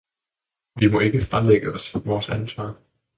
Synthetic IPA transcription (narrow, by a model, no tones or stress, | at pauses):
ʋimɒ̽e̝ɡ̥əfʁɑleɡ̥əɒ̽sʋɒːsænsʋɑ̈ː